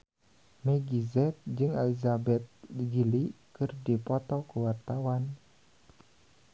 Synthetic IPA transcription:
mɛɡizɛt̪̚d͡ʒɨŋɛlizabɛt̪̚lɡilikɨrdipɔt̪ɔkuwart̪awan

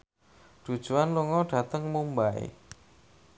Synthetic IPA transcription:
ɖ̥ṳd̥ʒ̥uanluŋɔɖ̥a̤t̪əŋmumbaḛ

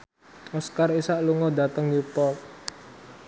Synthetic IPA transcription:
ɔskarisaʔluŋɔd̪a̤t̪əŋnipɔt̪̚

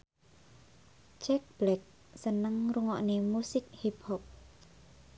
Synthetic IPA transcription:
t͡ʃɛk̚b̥lɛk̚ | sənəŋruŋɔ̰ʔnemusɪk̚hip̚hɔp̚

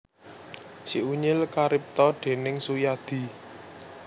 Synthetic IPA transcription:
siʔuɲɪlkaɾɪp̚t̪ɔɖ̪̥e̤nɪŋsujad̪̥i̤

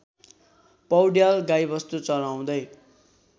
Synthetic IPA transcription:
pʌwɽjalɡajbʌst̪ut͡sʌlaw̃d̪ʌj

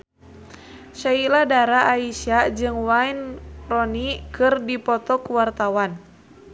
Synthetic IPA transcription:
ʃailadaɾaʔːiʃad͡ʒɨŋwainrɔnikɨrdipɔt̪ɔkuwart̪awan

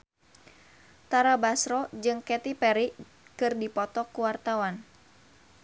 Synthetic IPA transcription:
t̪aɾabasɾɔd͡ʒɨŋkɛt̪ipɛɾi | kɨrdipɔt̪ɔkuwart̪awan

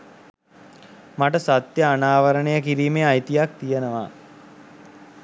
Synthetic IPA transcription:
maʈəsat̪jəanaːʋəɾəɳejəkiɾiːmejajt̪ijak̚t̪ijənəʋaː

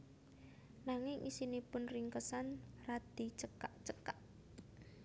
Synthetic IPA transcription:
naŋɪŋʔḭsinipʊnriŋkəsanrad̪̥i̤t͡ʃəkaʔt͡ʃəkaʔ

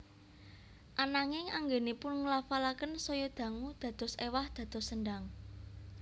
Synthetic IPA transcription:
ʔanaŋɪŋaŋɡenipʊnŋəlafalakənsɔjɔd̪̥ä̤ŋud̪̥ä̤d̪̥ɔ̤sewahd̪̥ä̤d̪̥ɔ̤səɳɖaŋ

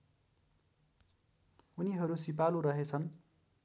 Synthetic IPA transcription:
uniɦʌɾusipaluɾʌɦet͡sʰʌn

